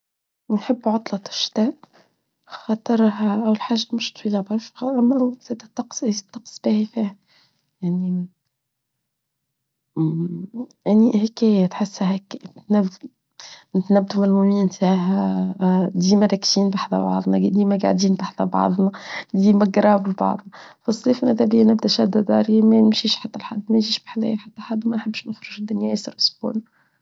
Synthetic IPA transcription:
nħɪbːʕʊt̪ˤlɑt̪ɪ̥ʃt̪æːʔ | xɑt̪ˤɨɾˤɦæʔæwlħaːʒamʊʃt̪ˤfiːlɑbɑɾˤʃʔæmːæzæd̪æt̪ːɑqst̪ˤːɑqsˤb̥æːhifiːhæ | jaʕni | ʔaniʔhkæːjæt̪ħɪsːahækːt̪næ | nɪt̪næbːd̪umælmumiːmt̪aʕɦæ | d̪iːmæɾˤækːt̪iːnbaħðæ̰bɑ̰ʕðˤnɑd̪iːmæɡa̰ʕd̪iːnbaħd̪æbɑ̰ʕðˤnɑd̪iːmæɡɾˤɑːbɪlbɑ̰ʕðˤnɑfɑsˤlifnʔæd̪æbɪjːænɪbd̪æʃæd̪æd̪ɑːɾimænɪmʃiːʃħat̪ːælħad̪ːmænʒiːʃbħalæ̰jħat̪ːæħad̪ːwmænħɪbːʃnɪxɾˤʊʒd̪ːʊnjæisɑɾʔʊsbṵːn

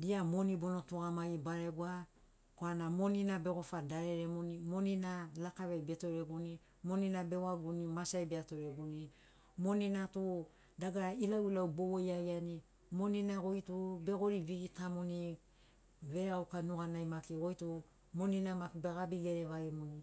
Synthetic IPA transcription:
diamo̞nibo̞no̞tuɡamajbaɾe̞ɡua | koanamo̞ninabe̞ɡo̞fadaɾe̞ɾemonimoninalakaβejbe̞to̞ɾe̞ɡuni | mo̞ninabe̞waɡunimasajbeato̞ɾeɡuni | mo̞ninatu | daɡailauwlawbowojajani | mo̞ninaɡo̞jtube̞ɡo̞ɾiβiɡitamoni | βe̞ɾawkanuɡanajmakiɡo̞jtu | mo̞ninamakibeɡabiɡeɾeβaɾemoni

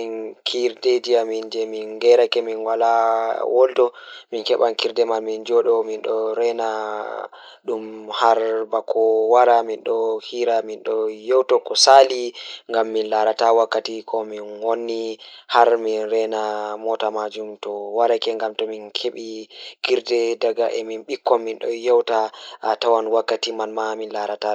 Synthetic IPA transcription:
inkʰiɾded͡ʒiamind͡ʒɛminɡɛɾakɛminwalawʔoldɔminkɛɓankiɾdɛmalmind͡ʒɔɗɔminɗɔɾɛna | ɗumhaɾbakʰɔwaɾaminɗɔhiɾaminɗɔjowtɔkɔsaliŋɡamːinlaɾatawakːatikʰɔminwonːihaɾminɾɛnamɔtamad͡ʒumtɔwaɾakɛŋɡamtɔminkʰeɓikiɾdɛdaɡaʔɛminɓikːɔːinɗɔjɔwtatawanwakːatimanmaminlaɾata

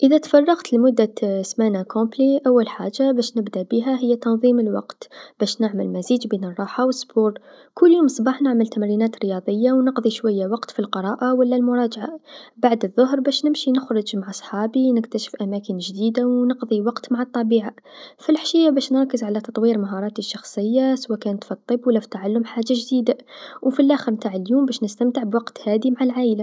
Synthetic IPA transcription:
ʔəðæt̪fɑrˤːɑqt̪lmʊd̪ːasmanakõbliʔawːalħaʒːabæʃnəbd̪abiɦæɦəjːæt̪ɑnðˤiːməlwɑ̰qt̪b̥æʃnɪʕməlmæziːd͡ʒbiːnərˤːɑːħawəsːbuːɾ | kʊlːjuːmsˤbɑħnaʕməlt̪æmɾinæːt̪ɾəjɑd̪ˤəjːawnəqðˤiʃwæjːawɑqt̪filqəɾˤɑːʔawəlːælmʊɾˤɑd͡ʒʕabaʕd̪əðˤːʊɦɾbæʃnɪmʃinɪxɾˤʊd͡ʒmaʕʔɑsˤħɑːbinɪkt̪æʃə̥fʔæmækənʒd̪iːd̪awnəqðˤiwɑqt̪maʕɑt̪ˤːɑbiːʕafilħʃijːabæːʃnɾˤɑkːəzʕalæt̪ɑt̪ˤwiːɾmaɦɑɾˤɑːt̪iʃːɑxsˤəjːaswækæːnət̪fit̪ˤːɨbːwəlːæfi̥t̪aʕalːʊmħaʒːaʒd̪iːd̪awfilʔaxəɾmt̪aːʕəljuːmbæːʃnəst̪æmt̪əʕbwɑqt̪hæːd̪imaʕalʕaːʔəla

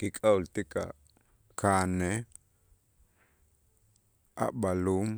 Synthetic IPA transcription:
kikʼault̪ikʼa̰ | kʰaːne | a̰ɓalum

